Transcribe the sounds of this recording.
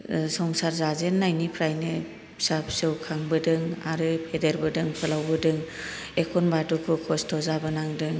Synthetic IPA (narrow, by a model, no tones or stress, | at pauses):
sɔŋsaɾzazenːajnipʰɾajnɯ | sap̚sɯwkʰaŋbɯdɯŋa̰ɾɯpʰedeɾbɯdɯŋpʰɯlawbɯdɯŋ | ekʰɔnbadukʰɯkʰɔstʰɔzabɯnaŋdɯŋ